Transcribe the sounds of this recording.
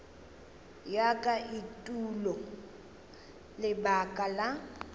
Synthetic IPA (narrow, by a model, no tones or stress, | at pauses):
jakʼaʔitʼulɔ | lɪbakʼala